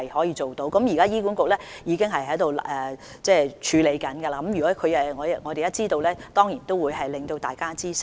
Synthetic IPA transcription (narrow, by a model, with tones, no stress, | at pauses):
ɐ˨jhɔː˨˥jiː˧t͡ʃo˨wt̪o˨˥wkɐ˨˥mjiː˨kaː˥jiː˥ku˨˥nkʊ˨k̚lɛː˥jiː˨˧˥kɪ˥ŋɦɐ˨jɦɐ˨˥jt̪o˨wlʔɛː˨˩ | t͡sɛː˥˩t͡ʃʰyː˨˧le˨˧jkɐ˨˥nɡɐ˧la˧kɐ˨˦mjy˨kɔː˨˥kʰɵ˨˧jɐ˨ŋɔː˨˧jŋɔː˨˧t̪e˨jɐ˥t͡siː˥t̪o˧wlɛː˥t̪ɔː˥ŋjiː˨˩nt̪o˥wuː˨˧jɦɐ˨jlɪ˨ŋt̪o˧wt̪a̰ː˨jkaː˥t͡siː˥sɪ˥